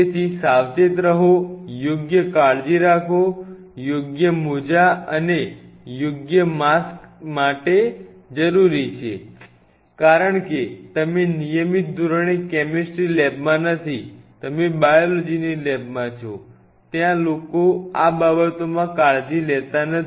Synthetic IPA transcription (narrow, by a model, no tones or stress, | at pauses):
et̪ʰisaʋd͡ʒet̪ɾəɦojoɡjəkaɭd͡ʒiɾakʰo | joɡjəmud͡ʒaəne | joɡjəmaskmaʈe | d͡ʒəɾuɾit͡ʃʰe | kaɾəɳket̪əmenijəmit̪̚d̪ʱuɾəɳ̃ikɛmesʈɾilɛbmãnət̪ʰit̪əmebajolod͡ʒinilɛbmãt͡ʃʰo | t̪jãlokoababət̪omãkaɭd͡ʒilɛt̪anə